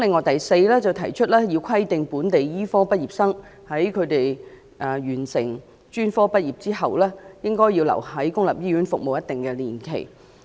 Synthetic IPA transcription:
lɪ˨ŋːɔː˨jt̪ɐ˨jse˧jlɛː˥t͡sɐ˨˩wt̪ʰɐ˨˩jt͡ʃʰɵ˥t̚lɛː˥jiː˧wkʷʰɐ˥jt̪ɪ˨ŋpuː˨˥nt̪e˨jjiː˥fɔː˥pɐ˥t̚jiː˨p̚sɐ˥ŋ | hɐ˨˥jkʰɵ˨˧t̪e˨j | ʔɐː˨˩ɥyː˨˩nsɪ̰˨˩ŋ | t͡ʃyː˥nfɔː˥pɐ˥t̚jiː˨p̚t͡siː˥ɦɐ˨wlɛː˥jɪ˥ŋkɔː˥jːiː˧wlɐ̰˨˩whɐ˨˥jkʊ˥ŋlɐ˨p̚jiː˥ɥy˨˥nfʊ˨k̚mo˨wjɐ˥t̪ɪ˨˩ŋkɛː˧liː˨˩nkʰḛ˨˩j

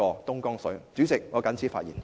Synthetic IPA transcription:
ɔː˧t̪ʊ˥ŋkɔː˥ŋsɵ˨˥ɥt͡syː˨˥t͡sɪ˨k̚ŋɔː˨˧kɐ˨˥nt͡sʰiː˨˥faː˧t̚jiː˨˩n

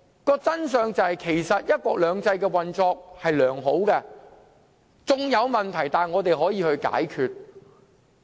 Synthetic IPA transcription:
kɔː˧t͡sɐ˥ns̬œː˨ŋt͡sɐ˨whɐ˨jkʰe˨˩jsɐ˨t̚jɐ˥t̚kʷwɔː˧k̚lœː˨˧ŋt͡sɐ˧jkɛː˧wɐ˨nt͡sɔː˧k̚hɐ˨jlœː˨˩ŋɦo˨˥wkɛ˧ | t͡sʊ˨ŋjɐ˨˧wmɐ˨˩nt̪ʰɐ˨˩jt̪aː˨˩nŋɔː˨˧t̪e˨jɦɔː˨˥jiː˨˧hɵ˧ɥka̰ː˨˥jkʰyː˨˧t̚

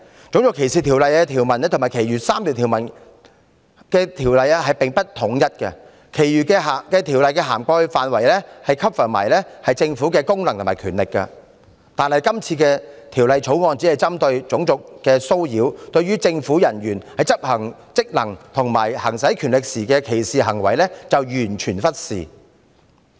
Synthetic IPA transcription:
t͡sʊ˨˥ŋt͡sʊ˨kʰːe˨˩jsiː˨˩t̪ʰi˨˩wlɐ˨jɛː˧t̪ʰiː˨˩wmɐ˨˩n˥t̪ʰmaː˨˩jkʰe˨˩jɥyː˨˩saː˥mliː˨˩t̪ʰiː˨˩wmɐ˨˩n | kɛː˧t̪ʰiː˨˩wlɐ˨jɛ˥ɦɐ˨jpe˨ŋpɐ˥t̚t̪ʰʊ˨˥ŋjɐ˥t̚kɛ̰˧ | kʰe˨˩jɥyː˨˩kɛ˧ɦa˨kɛː˧t̪ʰiː˨˩wlɐ˨jkɛː˧ɦaː˨˩mkɔː˧faː˨nwɐ˨˩jlɛː˥hɐ˨jkʰɐ˥p̚fœː˨˩mɐ̰˨˩jlɛː˥hɐ˨jt͡sɪ˧ŋfu˨˥kɛː˧kʊ˥ŋlɐ˨ŋt̪ʊ˨˩mː˨˩kʰyː˨˩nlɪ˨kːɐ̰˧ | t̪aː˨nhɦɐ˨jkɐ˥mt͡sʰiː˧kɛː˧t̪ʰiː˨˩wlɐ˨jt͡ʃʰo˨˥wŋɔː˧nt͡si˨˥hɐ˨jt͡sɐ˥mt̪ɵ˧ɥt͡sʊ˨˥ŋt͡sʊ˨k̚kɛː˧so˥wjiː˨˥wt̪ɵ˧ɥyː˥t͡sɪ˧ŋfuː˨˥jɐ˨˩nɥyː˨˩nhɐ˨jt͡sɐ˥p̚hɐ˨˩ŋ | t͡sɪ˥k̚lɐ˨˩ŋt̪ʰʊ˨˩ŋma̰ː˨˩jhɐ˨˩ŋsɐ˨˥jkʰyː˨˩nlɪ˨k̚siː˨˩kɛ˧kʰe˨˩jsiː˨ɦɐ˨˩ŋwɐ˨˩jlɛː˥t͡sɐ˨wjyː˨˩nt͡ʃʰyː˨˩nfɐ˥t̚siː˨

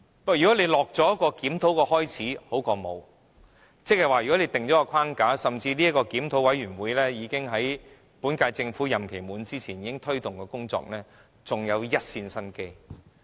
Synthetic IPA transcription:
pɐ˥jyː˨˩kɔ˨˥le˨˧jlɔː˨k̚t͡sɔː˨˥jɐ˥kɔː˧kiː˨˥mt̪ʰo˨˥wkɔː˧hɔː˥jt͡sʰiː˨˥ho˨˥wkɔː˧mo̰˨˧w | t͡sk̚hɐ˨jwaː˨jy˨˩ɔ˨˥le˨˧jt̪ɪ˨ŋt͡sɔː˨˥kɔ˧kʰaː˥ŋkaː˨˥sɐ˨mt͡siː˧liː˥ɐ˥kːɔː˧kiː˨˥mt̪ʰo˨˥wɐ˨˥jɥyː˨˩nwuː˨˧jlɛː˥jiː˨˧kɪ˥ŋɦɐ˨˥j | puː˨˥nkaː˧jt͡sɪ˧ŋfuː˨˥jɐ˨mkʰe˨˩jmuː˨˥nt͡siː˥t͡sʰiː˨˩njiː˨˧kɪ˥ŋt̪ʰɵ˥ɥt̪ʊ˨ŋkɛː˧kʊ˥ŋt͡sɔ̰ː˧k̚nɛː˥ | t͡sʊ˨ŋjɐ˨˧wjɐ˥t̚siː˧nsɐ˥nke˥j

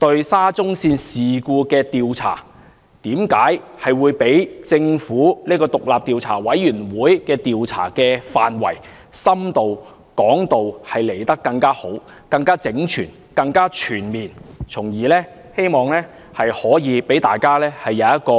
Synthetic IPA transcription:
t̪ɵ˧ɥsaː˥t͡sʊ˥ŋsiː˧nsiː˨kuː˧kɛː˧t̪iː˨wt͡sʰa̰ː˨˩ | t̪iː˨˥mkaː˨˥jhɐ˨jwuː˨˧jpe˨˥jt͡sɪ˧ŋfuː˨˥niː˥kɔː˧t̪ʊ˨k̚laː˨p̚t̪iː˨˧wt͡sʰa̰ː˨˩wɐ˨˥jːyː˨˩nwuː˨˥jkɛː˧t̪iː˨wt͡sʰa̰ː˨˩kɛː˧faː˨nwɐ̰˨˩j | sɐ˥mt̪o˨w | kɔː˨˥ŋt̪o˨whɐ˨jle˨˩jt̪ɐ˥kːɐ˧ŋkaː˥ho˨˥w | kɐ˧ŋkaː˥t͡sɪ˨˥ŋt͡ʃʰyː˨˩n | kɐ˧ŋkaː˥t͡ʃʰyː˨˩nmiː˨nt͡sʰʊ˨˩ŋjiː˨˩lɛː˥ | he˥jmɔː˨ŋlɛː˥ | hɐ˨jhɔː˨˥jiː˨˧pe˨˥jt̪a̰ː˨jkaː˥lɛː˥hɐ˨jːɐ˨˧wjɐ˥t̚kɔː˧

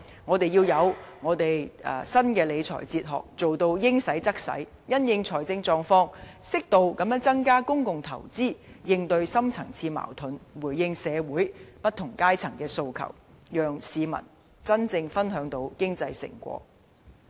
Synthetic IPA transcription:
ŋɔː˨˧t̪e˨jiː˧wjɐ˨˧wŋɔː˨˧t̪e˨jɐ̰ː˨˧sɐ˥nkɛː˧le˨˧jt͡sʰɔ̰ː˨˩jt͡siː˧t̚ɦɔ̰ː˨k̚t͡so˨wt̪o˧wjɪ˥ŋsɐ˨˥jt͡sɐ˥k̚sɐ̰˨˥j | jɐ˥njɪ˧ŋt͡sʰɔː˨˩jt͡sɪ˧ŋt͡sɔː˧ŋfɔː˧˥ŋsɪ˥k̚t̪o˧wkɐ˨˥mjœː˨˥ŋt͡sɐ˥ŋkaː˥kʊ˥ŋkʊ˨ŋt̪ʰɐ̰˨˩wt͡siː˥jɪ˧ŋt̪ɵ˧ɥsɐ˥mt͡sʰɐ˨˩ŋt͡sʰiː˧ma̰ː˨˩wt̪ʰʊ˨˥nwu˨˩jːɪ˧ŋsɛː˨˧wuː˨˥jpɐ˥t̪̚ʰːʊ˨˩ŋkaː˥jt͡sʰɐ˨˩ŋkɛː˧so˧wkʰɐ̰˨˩w | jœː˨ŋsiː˨˧mɐ̰˨˩n | t͡sɐ˥nt͡sɪ˧ŋfɐ˥nɦœː˨˥ŋt̪o˧wkɪ˥ŋt͡sɐ˧jsɪ̰˨˩ŋkʷɔ̰ː˧˥

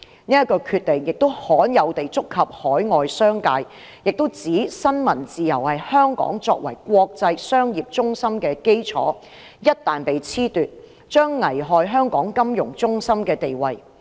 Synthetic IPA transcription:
niː˥jɐ˥t̚kɔː˧kʰyː˧t̚t̪e˨ŋjɪ˨k̚t̪o˥whɔː˨˥njɐ˨˧wt̪e˨jt͡sʊ˥kʰːɐ˨p̚hɔː˨˥jŋɔː˨jsœː˥ŋkaː˧j | jɪ˨k̚t̪o˥wt͡siː˨˥sɐ˥nmɐ˨˩nt͡siː˨jɐ˨˩whɐ˨jhœː˥ŋkɔ̰ː˨˥ŋt͡sɔ̰ː˧k̚wɐ̰˨˩jkʷwɔː˧k̚t͡sɐ˧jsœː˥ŋjiː˨p̚t͡ʃʊ˥ŋsɐ˥mkɛː˧ke˥jt͡sʰɔ̰ː˨˥ | jɐ˥t̚t̪aː˨npe˨jt͡sʰiː˥t̪yː˨t̚ | t͡ʃœː˥ŋːɐ˨˩jɦɔː˨˧jɦœː˥ŋkɔː˨˥ŋkɐ˥mjʊ˨˩ŋt͡sʊ˥ŋsɐ˥mkɛː˧t̪e˨jwɐ˨j

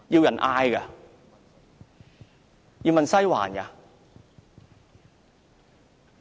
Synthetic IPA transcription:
jiː˧wjɐ˨˩nʔaː˧jka˧ | ji˧wmɐ˨nsɐ˥jwa̰ː˨˩nja̰˨˧

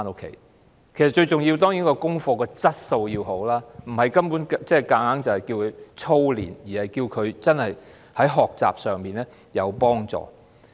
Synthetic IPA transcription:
a˥no˥kʰḛ˨˩j | kʰe˨˩sɐ˨t̚t͡ʃɵ˧ɥt͡ʃʊ˨ŋji˧wt̪ɔː˥ŋji˨˥nkɔː˧kʊ˥ŋfɔː˧kɔː˧t͡sɐ˥t̚so˧wjiː˧wɦo˨˥wlaː˥m̩˨˩hɐ˨˩jkɐ˥mpuː˨˥nkt͡sɛ˥˨kaː˨˥ŋhaː˨˥ŋt͡sɐ˨˩hɐ˨˩jkiː˧wkʰɵ˨˧t͡ʃʰo˥wlḭː˨˩njiː˨˩hɐ˨jkiː˧wkʰɵ˨˧ɥt͡sɐ˥nhɐ˨j | hɐ˨˥jɦɔː˨k̚t͡sa̰ː˨p̚sœː˨ŋmiː˨nɛː˥ | jɐ˨˧wpɔː˥ŋt͡sɔ̰ː˨

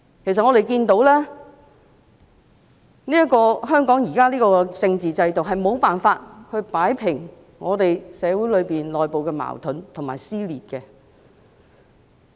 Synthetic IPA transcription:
kʰe˨˩js̬ɐt̚ŋɔː˨˧ɾe˨˩jkiː˧nt̪o˨˥wlɛː˥ | niː˥ɐ˥kɔː˧ɦœː˥ŋkɔː˨˥ŋjiː˨˩kaː˥liː˥kɔː˧kɛ˧t͡sɪ˧ŋt͡siː˨t͡sɐ˧jt̪o˨wɦɐ˨jmo˨˧wpaː˨nfaː˧t̚hɵ˧ɥpaː˨˥jpʰɪ˨˩ŋ | ŋɔː˨˧t̪e˨jsɛː˨˧wu˨˥jlɵ˨˧ɥpiː˨nlɔː˨jpo˨wkɛː˧ma̰ː˨˩wt̪ʰɵ˨˥nt̪ʰʊ˨˩ŋma̰ː˨jsiː˥liː˨t̚kɛ˧

